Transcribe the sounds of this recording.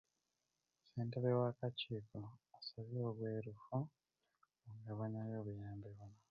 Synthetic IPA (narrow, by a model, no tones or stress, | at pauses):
seːnteβewakaciːkoasaβjo̞ːβwe̞ːɾufu | oŋɡaβoɲajoːβujaːmbeβuna